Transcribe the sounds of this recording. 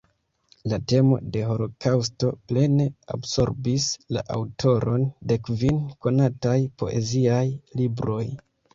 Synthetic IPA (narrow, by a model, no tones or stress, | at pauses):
late̞mo̞̰de̞ɦo̞lo̞kʰaws̬to̞ple̞ne̞a̰bso̞̰ɾbisla̰ʔa̰wtʰo̞ɾo̞nde̞kvinko̞natajpo̞̰ʔe̞ziajlibɾo̞j